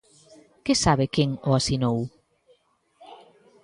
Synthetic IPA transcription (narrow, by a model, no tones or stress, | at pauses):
kesaβɪkeŋoasinow